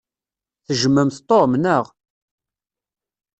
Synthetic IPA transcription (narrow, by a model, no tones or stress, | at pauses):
θəʒəmːəmθt̪ˤːomnəʁ